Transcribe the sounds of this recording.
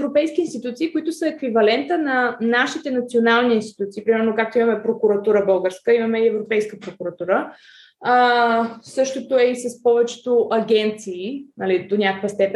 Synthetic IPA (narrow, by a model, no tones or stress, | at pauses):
ɛvɾopɛjsk̟ʲiːnst̪it̪ut̪siːkoit̪ʊsəɛkvivɐlɛnt̪ənɐnaʃit̪ɛnɐt̪sionalˠniiːnst̪i̥t̪ut̪siːpɾimɛɾnokak̚t̪oimɐmɛpɾokuɾɐt̪uɾəbɤlˠɡəɾskəimɐmɛiɛvɾopɛjskəpɾokuɾɐt̪uɾə | sɤʃt̪ot̪oɛisɐspɔvɛt͡ʃɛ̥t̪oʔɐɡʲɛnt̪siːnɐlid̪onʲakəkvəst̪ɛpɛ